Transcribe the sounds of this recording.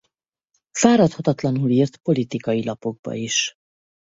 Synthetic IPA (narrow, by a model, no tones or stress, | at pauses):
faːɾɒt̪hɒt̪ɒt̪lɒnuliːrt̪po̞lit̪ikɒjilɒpo̞ɡ̚bɒ̰iʃ